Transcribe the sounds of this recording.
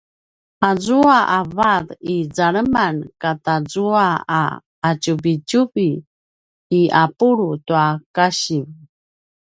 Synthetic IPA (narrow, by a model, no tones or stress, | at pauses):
azuaʔavaðizaɾəmankatazuaa̰ː | t͡ʃubit͡ʃubiː | apuɾutuakaɕim